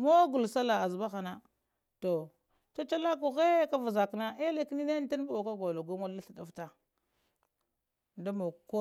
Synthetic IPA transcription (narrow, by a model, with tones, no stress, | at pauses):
mo˦ɡu˨lsa˦la˨a˨zba˦xa˨na˦ | to˨ | ta˦t͡ʃa˦la˦k̬u˨ɣe˦ka˦va˨za˨kna˦ʔe˦le˨kni˦ne˦n˦ta˦n˦bo˨ka˦ɡo˨lo˨ɡu˦ma˦lːa˦ɬa˨da˦fta˨ | nda˦mo˨ko˦